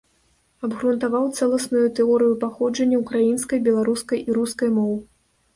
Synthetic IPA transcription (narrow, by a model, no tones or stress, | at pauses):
ɐbɣɾunt̪avawt̪sɛlˠɐsnujut̪ɛɔɾɨjupaxɔd͡ʐɐnʲːɐukɾajinskɐjbʲɛlˠaɾuskɐjʔiɾuskɐjmɔw